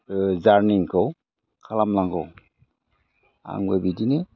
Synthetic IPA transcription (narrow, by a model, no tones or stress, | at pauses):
zaɾniŋkʰɔw | kʰalamlaŋɡɔw | a̰ŋwebidine